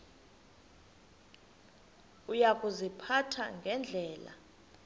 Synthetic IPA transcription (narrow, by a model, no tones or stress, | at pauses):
ujakʼuzipʰatʰa̰ŋɡʱɛnd͡ɮʱɛːla̰